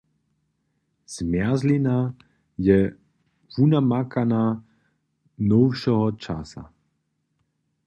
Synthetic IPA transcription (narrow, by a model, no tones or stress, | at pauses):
z̥mjazlina | jɛ | vunamakana | nɔwʃɔɦɔt͡ʃa̰sa̰